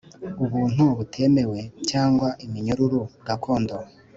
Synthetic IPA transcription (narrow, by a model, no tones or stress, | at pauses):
uβuːn̥huβutʰe̞me̞we̞caːŋɡwaʔimiɲuɾuɾuɡakʰo̞ːndo